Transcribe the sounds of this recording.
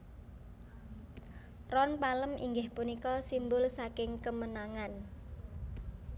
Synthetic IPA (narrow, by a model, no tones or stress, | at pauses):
rɔnpaləmḭŋɡɪhpunikɔsimbʊlsakɪŋkəmənaŋan